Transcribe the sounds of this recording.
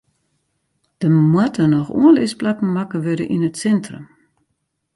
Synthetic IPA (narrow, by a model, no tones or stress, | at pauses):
d̥əmwatənɔxṵənlɪsplakn̩makəʋøɾə̰ʔinətsɛntrəm